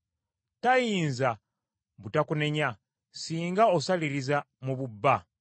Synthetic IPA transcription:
tajiːnza | βutakune̞ɲa | siːŋɡaosaliɾiza | muβubːa

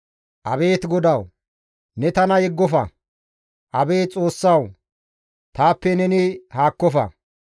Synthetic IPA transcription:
ʔɐbe̞ːt̪ɡɔd̪ɐw | nɛt̪ɐnɐjɛɡːɔfɐ̰ | ʔɐbe̞ːt͡sʼo̞ːsːɐw | t̪aːpːɛnɛnɪhaːkːɔfɐ̰

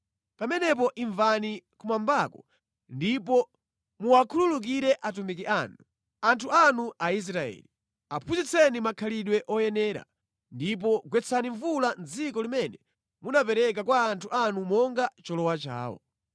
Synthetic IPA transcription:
pamɛnɛp̬ɔʔiɱvanikumambakɔ | ndipɔ | muakʰululuk̬iɾɛʔat̬umik̬iʔanu | antʰuanuʔais̬ɾaɛ̰li | apʰuzit͡sʰɛnimakʰaliɗwɛʔɔjɛnɛːɾa̰ | ndip̬ɔɡwɛt͡sʰaniɱvuland͡zikɔlimɛnɛ | munapɛɾɛk̬akwaːntʰuanumɔŋɡat͡ʃɔlɔwat͡ʃa̰ːwɔ̰

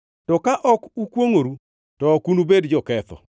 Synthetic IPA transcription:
tɔkaʔɔkukwoŋoɾu | tɔkunubedd͡ʒɔkɛt̪ɔ̰

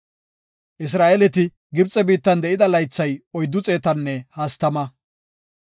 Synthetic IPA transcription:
ʔɪs̬ɾaːʔɛlɛt̪ɪ | ɡɪbt͡sʼːɛbiːt̪ːɐnd̪ɛʔɪd̪ɐlɐjt͡sːɐjɔjd̪ːʊt͡sʼe̞ːt̪ɐnːɛhɐst̪ɐmɐ

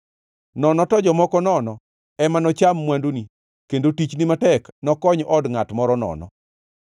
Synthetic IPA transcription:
nɔnɔtɔd͡ʒɔmɔkɔnɔnɔ | ɛmanɔt͡ʃamːwandoni | kendotit͡ʃnimatɛknɔkɔɲʔɔdŋatmɔɾɔnɔ̰nɔ̰

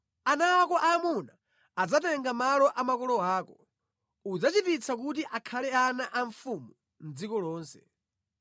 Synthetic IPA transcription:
anaːkɔʔaːmuna | ad͡zatɛŋɡamalɔʔamakɔlɔaːkɔ | ud͡zat͡ʃipit͡sʰak̬utiʔakʰalɛanaʔaɱfumu | nd͡zikɔlɔːnsɛ̥̰

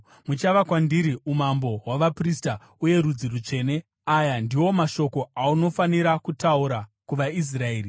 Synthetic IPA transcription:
mut͡ʃaʋakwandiɾiumambo̞ɦwaʋaprista | uje̞ɾud͡zirut͡ʂe̞ːne̞ | ajandiwo̞maʃo̞ko̞auno̞faniɾakutauɾakuʋais̬rae̞ːri

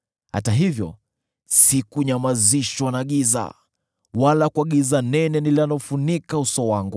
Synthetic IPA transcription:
ha̰taɦivjɔ̰ | sikuɲamaziʃwanaɠiza̰ | walakuaɠizanɛnɛnilanlɔfunikausɔwaŋɡu

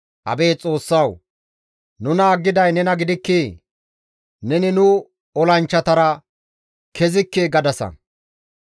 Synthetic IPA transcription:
ʔɐ̰beːt͡sʼo̞ːsːɐw | nʊnaːɡːɪd̪ɐjnɛnɐɡɪd̪ɪkːiː | nɛnɪnʊ | ɔlɐnt͡ʃːɐt̪ɐɾɐ | kɛzɪkːeːɡɐd̪ɐsɐ̰

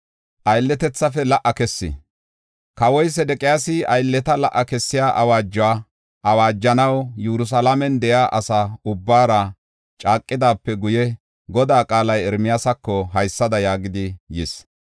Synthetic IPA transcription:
ʔɐjlːɛt̪ɛt͡sːɐfɛlɐʔːɐkɛsːɪ̰ | kɐwɔjs̬ɛd̪ɛkʼɪjaːsɪɐjlːɛt̪ɐlɐʔːɐkɛsːɪjaːʔɐwaːd͡ʒːʊwaː | ʔɐwaːd͡ʒːɐnɐwjuɾʊs̬ɐlamɛnd̪ɛʔjaːʔɐsaʊbːaːɾɐ | t͡ʃʼaːkʼːɪd̪aːpːɛɡʊjɛ | ɡɔd̪aːkʼaːlɐjɛɾmɪjasɐkːɔɦɐjsːɐd̪ɐjaːɡɪd̪ɪjɪs

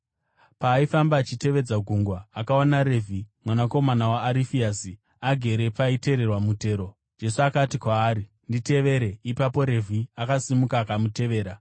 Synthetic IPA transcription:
paːifambaːt͡ʃite̞ʋe̞d͡zaɡʱuŋɡwaːkaonaɾe̞vʱimwanako̞manawaːɾifiaːsi | aɡʱe̞ɾe̞paite̞ɾe̞rwamute̞ːɾo̞ | d͡ʒe̞suakatikwaːɾi | ndite̞ʋe̞ɾe̞ipapo̞ɾe̞vʱiakasimukaːkamute̞ʋe̞ːɾa

